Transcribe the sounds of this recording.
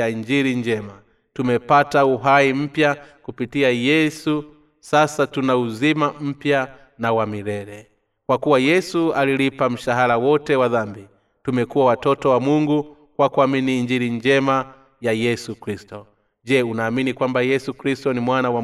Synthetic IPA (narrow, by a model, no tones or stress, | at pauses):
aiɲd͡ʒiɾiɲd͡ʒɛma | tumɛpatauɦaim̩pjakupitiajɛsu | sasatunauzimam̩pja | nawamiɾɛɾɛ | kwakuwajɛsualilipam̩ʃaɦaɾawɔtɛwaðambi | tumɛkuwawatɔtɔwamuŋɡu | kwakuaminiːɲd͡ʒiɾiɲd͡ʒɛma | jajɛsukɾistɔ | d͡ʒɛunaːminikwambajɛsukɾistɔnimwanawa